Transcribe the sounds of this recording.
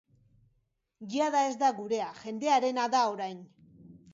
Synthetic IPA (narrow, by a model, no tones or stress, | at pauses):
ɡiaðae̞zd̪aɣuɾe̞aʝe̞nd̪e̞aɾe̞naðao̞ɾajn